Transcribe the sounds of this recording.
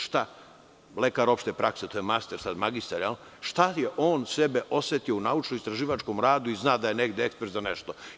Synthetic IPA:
ʃt̪a | lekaɾo̞pʃt̪epɾakset̪oːjemast̪eɾsad̪maɡist̪aɾjal | ʃt̪ajeʔo̞ːnsebeʔo̞set̪io̞unaut͡ʃnoist̪ɾaʒiːʋat͡ʃko̞mɾaːd̪uiznaːd̪aje̞neɡd̪eekspeɾt̪zaneʃt̪o

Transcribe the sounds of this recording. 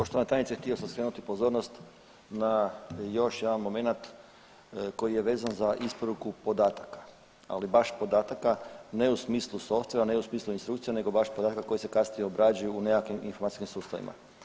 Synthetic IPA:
poʃt̪oanet̪ajnit̪sext̪io̞samskɾe̞ːnut̪ipo̞zo̞ɾnost̪ | najo̞ʃjed̪anmo̞me̞nat̪ | ko̞jije̞ʋe̞ːzanzaʔispo̞ɾukupo̞d̪aːt̪akḁ | a̰libaʃpo̞d̪aːt̪akane̞usmiːslˠuso̞fst̪ʋeʋaneusmiːslˠuinst̪ɾukt̪sijene̞ɡo̞baʃpod̪at̪akako̞jisekasnijeobɾad͡ʒajuːneakiminfomat̪iskimsuːst̪aʋḭma̰

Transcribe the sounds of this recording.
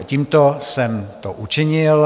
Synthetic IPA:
ciːmt̪osɛmt̪oʔut͡ʃɪɲɪl

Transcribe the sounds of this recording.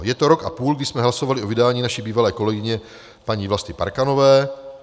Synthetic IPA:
jɛt̪oɾo̞kʔa̰puːlɡdɪsmɛɦlasovalɪʔovɪdaːɲiːnaʃibiːvalɛːko̞lɛɡɪɲɛ | paɲiːvlast̪ɪpa̰ɾkanovɛː

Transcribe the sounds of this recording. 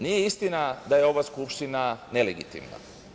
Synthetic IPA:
nijeist̪inad̪aje̞o̞ʋaskupʃt̪inane̞leɡḭt̪ḭmna̰

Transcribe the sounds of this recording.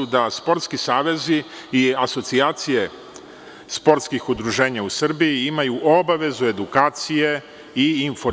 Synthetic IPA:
ud̪aspo̞ɾt̪skisaːʋe̞ziiaso̞t̪siaːt̪sije̞ | spo̞ɾt̪skixud̪ɾuʒe̞ːɲausr̩bijiimajuʔo̞baʋe̞zue̞d̪ukaːt̪sije̞ | iːnfo

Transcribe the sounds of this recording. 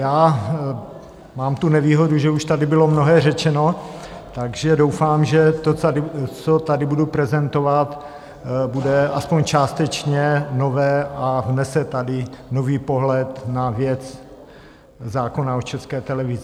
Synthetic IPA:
jaː | maːmt̪unɛviːɦo̞duʒɛuʃt̪adɪbɪlo̞mnoɦɛːrɛt͡ʃɛno | t̪aɡʒɛdo̞wfaːmʒɛt̪oaɪt͡sot̪adɪbudupɾɛzɛnt̪ovat̪ | budɛʔaspoɲt͡ʃaːst̪ɛt͡ʃɲɛno̞vɛːʔavnɛsɛt̪adɪnoviːpoɦlɛt̪navjɛt͡s | zaːko̞naot͡ʃɛskɛːt̪ɛlɛvɪzɪ

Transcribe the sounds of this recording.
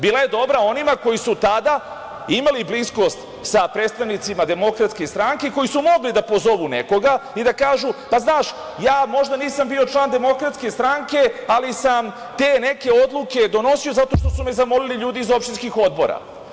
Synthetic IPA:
biːlˠaje̞d̪o̞bɾao̞nimako̞jisut̪ad̪a | imaliblisko̞st̪ | sapɾe̞ːt̪t̪aʋnit̪simad̪e̞mo̞kɾat̪ske̞st̪ɾaŋke̞ko̞jisumo̞ɡlid̪apo̞zo̞ʋune̞ko̞ɡaid̪akaːʒupaznaːʃ | jaːmo̞ʒd̪aniːsambiːo̞t͡ʃlˠaːnd̪e̞mo̞kɾat̪ske̞st̪ɾaŋke̞alisam | t̪e̞ne̞ke̞o̞d̪luke̞d̪o̞no̞siozat̪o̞ʃt̪o̞sume̞zamo̞liliʎuːd̪iizopʃt̪inskixo̞d̪̚bo̞̰ɾa̰

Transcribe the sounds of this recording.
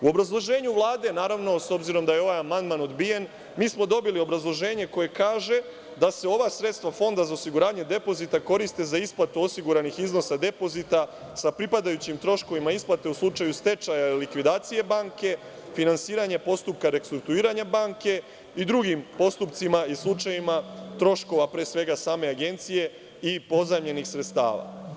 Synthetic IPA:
uo̞bɾazlˠo̞ʒe̞ːɲuʋlˠaːd̪e̞naːɾaʋno̞so̞bziɾo̞md̪aje̞o̞ʋajamand̪mano̞d̪bije̞n | miːsmo̞d̪o̞bilio̞bɾazlˠo̞ʒe̞ːɲe̞ko̞je̞kaːʒe̞ | d̪ase̞o̞ʋasɾet̪st̪ʋafo̞nd̪azaosiɡuɾaːɲe̞d̪e̞po̞zit̪ako̞ɾist̪e̞zaisplˠat̪uo̞siɡuɾanixizno̞sad̪e̞po̞zit̪a | sapɾipad̪ajut͡ɕimt̪ɾo̞ʃko̞ʋimaisplˠat̪e̞uslˠut͡ʃajust̪e̞t͡ʃajalikʋid̪aːt̪sije̞baːŋke̞ | finansiːɾaɲe̞po̞st̪up̚kaɾekst̪ɾuk̚t̪uiːɾaɲabaːŋke̞ | id̪ɾuɡimpo̞st̪upt̪simaislˠut͡ʃajimat̪ɾo̞ʃko̞ʋapɾe̞ːsʋe̞ɡasaːme̞aɡe̞nt̪sije̞ | ipo̞zamʎe̞nixsɾet̪st̪a̰ːʋa̰

